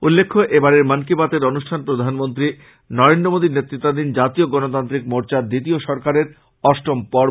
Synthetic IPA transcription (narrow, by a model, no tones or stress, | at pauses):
ulːekʰːoʔebaɾeɾmankibat̪eɾonuʃʈʰanpɾod̪ʱanmont̪̬ɾi | nɔɾend̪ɾomod̪ʱiɾnet̪ːɾit̪ːad̪ind͡ʑat̪ioɡɔnot̪ant̪ɾikmoɾt͡ɕad̪it̪ioʃɔɾkaɾeɾ | ɔʃʈɾompɔɾ